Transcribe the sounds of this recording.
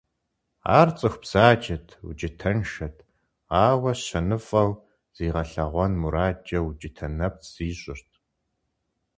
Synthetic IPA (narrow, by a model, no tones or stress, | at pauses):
a̰ːrt͡sʼɨxʷb̥z̥aːd͡ʒɐtʰwṵd͡ʒɪtʰɐnʃɐtʰ | aːwɐɕɐnɨfʼɐw | z̥iːʁɐɬɐʁʷɔnmuɾaːd͡ʒʼɐwd͡ʒʼɪtʰɐnɐp̚ʰz̥iːɕʷʼɪrtʰ